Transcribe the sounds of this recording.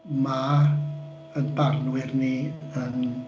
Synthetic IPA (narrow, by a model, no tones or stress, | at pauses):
ma | ənbarnwɪrniən